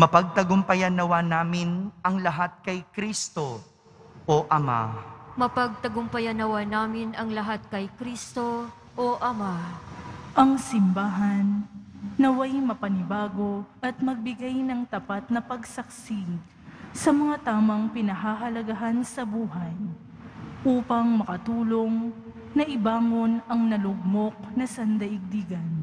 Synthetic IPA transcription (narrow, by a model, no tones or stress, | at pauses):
mɐpɐɡ̚t̪ɐɡʊmpɐjanɐwanaːmɪnʔɐŋlɐɦat̪̚kɐjkɾist̪o̞ | ʔoʔɐma̰mɐpɐɡ̚t̪ɐɡʊmpɐjɐnɐwanaːmɪnɐŋlɐɦat̪̚kɐjkɾist̪o | ʔoʔɐma | ʔɐŋsɪmbaːɦɐnː | ɐwajmɐpɐnɪbaːɡo̞ʔɐt̪̚mɐɡ̚bɪɡajnɐŋt̪ɐpat̪̚nɐpɐɡsɐk̚si | sɐmɐŋat̪aːmɐŋpɪnɐɦaɦɐlɐɡɐɦansɐbuːɦɐj | ʔuːpɐŋmɐkɐt̪uːlo̞ŋ | nɐʔɪbaːŋo̞nɐŋnɐlʊɡ̚mo̞k̚nɐsɐnd̪ɐʔɪɡ̚d̪iɡɐn